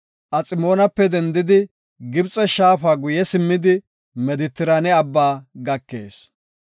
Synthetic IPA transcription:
ʔɐt͡sʼɪmo̞ːnɐpːɛd̪ɛnd̪ɪd̪ɪ | ɡɪbt͡sʼɛʃaːfaːɡʊjɛsɪmːɪd̪ɪ | mɛd̪ɪt̪ːɪɾanɛɐbːaːɡɐkːe̞̰ːs

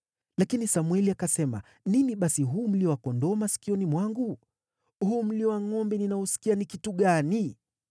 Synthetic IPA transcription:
lakinisamwɛliakasɛma̰ | niniɓasiɦuːm̩liɔwakɔndɔmasi̥kiɔnimwaŋɡu | huːm̩liɔwaŋɔmbɛninaɔsi̥kianikituɠani

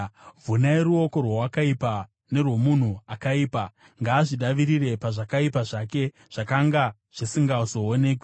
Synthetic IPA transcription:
vʱunaeɾuo̞ko̞rwawakaipa | ne̞rwo̞mun̤uakaiːpa | ŋɡaːʐiɗaʋiɾire̞paʐakaipaʐake̞ | ʐ̥akaŋɡa | ʐ̥isiŋɡauzo̞ːne̞k̬we

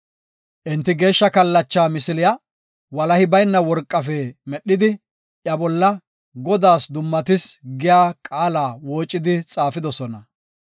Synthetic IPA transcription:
ʔɪnt̪ːɪɡe̞ːʃːɐkɐlːɐt͡ʃːaːmɪsɪlɪjɐ | wɐlɐhɪbɐjnːɐwɔɾkʼːɐfɛmɛɗːɪd̪ɪ | ʔjɐbɔlːɐ | ɡɔd̪aːsd̪ʊmːɐt̪ɪsɡɪjaːkʼaːlaːwoːt͡ʃʼːɪd̪ɪt͡sʼaːfɪd̪ɔsɔnɐ

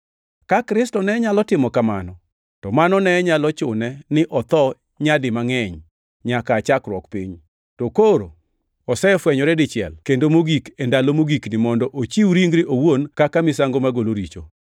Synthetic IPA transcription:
kakɾɪstɔnɛɲalɔtɪmɔkamanɔ | tɔmanɔnɛɲalɔt͡ʃʊnɛnɪʔɔt̪ɔ | ɲadɪmaŋɛɲ | ɲakat͡ʃakɾwɔkpḭɲ | tokoɾo̰ | ɔsɛfwɛɲɔɾɛdɪt͡ʃɪɛ̰lkendomoɡikendalomoɡiknɪmɔndɔʔot͡ʃiwɾiŋɡɾɪʔowonkakamɪsaŋɡomaɡoloɾit͡ʃo̰

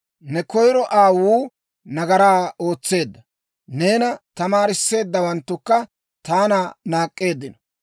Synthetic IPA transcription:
nɛkɔjɾɔʔaːwuː | nɐɡɐɾaːo̞ːt͡sːe̞ːd̪ːɐ | ne̞ːnɐt̪ɐmaːɾɪsːe̞ːd̪ːɐwɐnt̪ːʊkːɐ | t̪aːnaːnaːkʼːe̞ːd̪ːɪnɔ

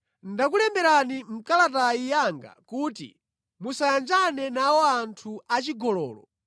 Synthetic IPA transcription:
ndakulɛmbɛɾanim̩kalat̬aijaŋɡa̰kuːtḭ | musajand͡ʒanɛnawɔantʰuat͡ʃiɡɔlɔ̰ːlɔ̰

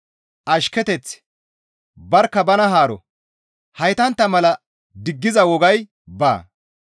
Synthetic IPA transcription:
ʔɐʃkɛt̪ɛt͡s | bɐɾkːɐbɐnɐɦaːɾɔ̰ | hɐjt̪ɐnt̪ːɐmɐlɐ | d̪ɪɡːɪzɐwɔɡɐj | ba̰ː

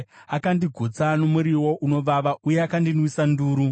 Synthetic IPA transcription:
akandiɡʱut͡sanomuɾiwo̞ʔuno̞ʋaʋaʔujeakandinwisanduːɾu

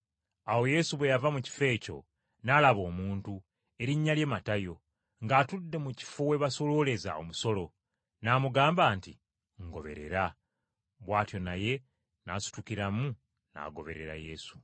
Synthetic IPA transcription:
awo̞je̞suβwe̞javamuci̥fe̞ːco̞̰ | nalaβo̞ːmuːntu | e̞ɾiɲːalje̞matajo̞ | ŋɡaːtudːe̞muci̥fowe̞βaso̞lo̞le̞za̰o̰muso̞lo̞ | naːmuɡaːmbaːnti | ŋɡo̞βe̞̰ɾe̞̰ɾa | βwaːtjo̞naje̞ | nasu̥tukiɾamu | na̰ɡo̞̰βe̞̰ɾe̞̰ɾa̰je̞su̥

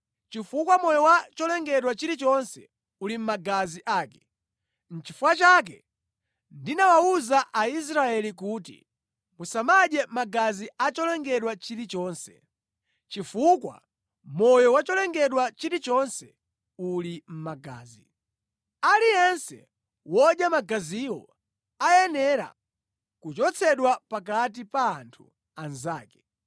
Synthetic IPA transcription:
t͡ʃifukwamɔjɔwat͡ʃɔlɛŋɡɛɗwat͡ʃiɾit͡ʃɔnsɛ̰ | ulim̩maɡaziʔaːkɛ̥ | n̩t͡ʃifuwat͡ʃak̬ɛ | ndinawauzaʔais̬ɾaɛlik̬uːtḭ | musamaʄɛmaɡaziat͡ʃɔlɛŋɡɛɗwat͡ʃiɾit͡ʃɔːnsɛ | t͡ʃifukwa̰ | mɔjɔwat͡ʃɔlɛŋɡɛɗwat͡ʃiɾit͡ʃɔnsɛ | ulim̩maɡa̰ːzi | alijɛnsɛ̰ | wɔɗjamaɡaziwɔ̰ | ajɛnɛɾa̰ | kut͡ʃɔt͡sʰɛɗwapak̬at̬ipaːntʰu̥ | anzaːkɛ̥

